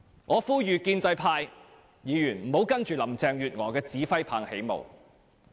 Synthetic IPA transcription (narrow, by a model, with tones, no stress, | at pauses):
ŋɔː˨˧fuː˥jyː˨˧kiː˧nt͡sɐ˧jpʰaː˧j | jiː˨˧jyː˨˩nm̩˨˩ho˨˥wkɐ˥nt͡ʃyː˨lɐ˨˩mt͡sɛː˧ŋjyː˨t̚ŋɔː˨˩kɛː˧t͡siː˨˥fɐ˥jpʰaː˨˩ŋhe˨˥jmo̰˨w